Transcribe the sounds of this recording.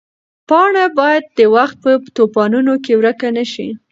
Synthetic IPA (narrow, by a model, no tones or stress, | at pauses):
pɑɳabɑjad̪̚d̪əwaxt̪̚pət̪opɑnunokewɾəkanəʃi